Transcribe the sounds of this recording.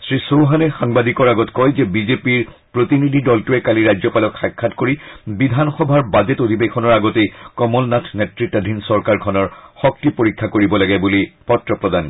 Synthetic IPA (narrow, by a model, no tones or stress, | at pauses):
sɹisowɦanɛxaŋbadikɔɹaɡɔtkɔjzɛbizepiɹ | pɹotinidʱidɔltuɛkaliɹajzɔpalɔkxakʰːatkoɹibidʱanxɔbʱaɹbazɛtod̪ʱibekʰɔnɔɹaɡɔtekɔmɔlnatʰnetɹitːadʱinsɔɹkaɹkʰɔnɔɹxɔk̚tipoɹikʰːakoɹibɔlaɡɛbulipɔtɹɔpɹɔdan